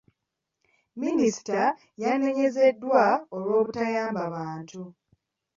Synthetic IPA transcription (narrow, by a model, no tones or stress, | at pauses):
minisi̥ta | janːe̞ɲe̞ze̞dːwaolwo̞ːβutajaːmbaβaːntʰu